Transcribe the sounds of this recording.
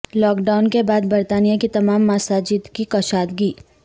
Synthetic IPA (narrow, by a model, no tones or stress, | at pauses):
lɔːkɖaːʊnkebaːd̪̚bɐɾt̪aːnijakit̪ɐmaːmːaːsaːd͡ʒit̪kikɐʃaːd̪ɡiː